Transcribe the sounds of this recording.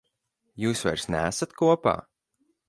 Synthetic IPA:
juːsva̰jɾsnæːsat̪kuɔpa̰ː

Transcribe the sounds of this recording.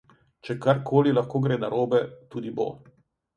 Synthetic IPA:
t͡ʃɛkaɾkʰoːlilɐxkoːɡɾeːnaɾoːbɛt̪uːd̪ibo̰ː

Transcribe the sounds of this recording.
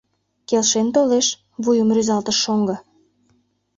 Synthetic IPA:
kelʃent̪oleʃ | βujəmryzɑlt̪əʃːoŋɡɤ̆

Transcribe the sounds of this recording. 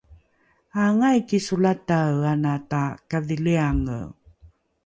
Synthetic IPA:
aŋajkisulataanatakaviliaŋə̰

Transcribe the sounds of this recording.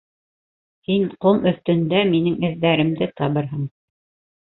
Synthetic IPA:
hinqomʔɵ̆θt̪ɵ̆nd̪æminɘŋɘ̆ðːæɾɘ̆md̪ɘt̪ɑβɤ̆ɾɦɤɴ

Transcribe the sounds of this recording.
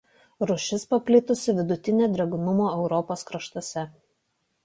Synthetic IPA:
ɾʊʃʲɪspɐpʲlʲɪt̪ʊsʲɪʋʲɪd̪ʊt̪ʲɪnʲeːd̪ʲɾʲɛɡʊnʊmoːɛʊɾɔpoːskɾɐʃt̪oːsʲɛ

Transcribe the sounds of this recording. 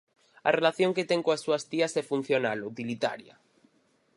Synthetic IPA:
a̰relaθjõŋket̪ɛŋkoasːuast̪iasɛfun̟θjonalut̪ilit̪a̰ɾja̰

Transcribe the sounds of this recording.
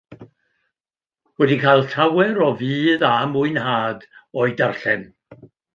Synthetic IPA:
wɛdikʰaːjlˠtʰawɛɾɔviːðamʊɨnhaːdɔɨdarɬɛn

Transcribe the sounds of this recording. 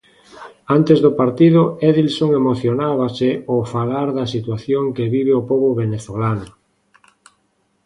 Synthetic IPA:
ant̪ezðʊpaɾt̪iðʊɛðilsoŋemoθjonaβaseofalaɾðɐsit̪waθjoŋkeβiβ̞eopoβʊβeneθolanʊ

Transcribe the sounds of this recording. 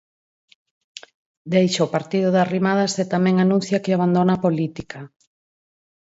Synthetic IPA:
d̪ejʃoːpaɾt̪iðʊðarimaðaset̪amɛ̃ŋanũn̟θjakeaβ̞and̪onapolit̪ika

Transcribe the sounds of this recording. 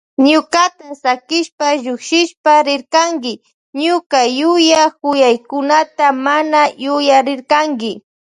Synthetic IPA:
ɲʊkat̪asakɪʃpaʒʊkʃɪʃpaɾɪɾkaŋɡɪ | ɲʊkajʊjakʊjajkʊnat̪amanajʊjaɾɪɾkaŋɡɪ

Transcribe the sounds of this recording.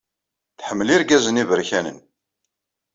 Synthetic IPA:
θħəmːliɾɡæzənivəɾçænə̰n

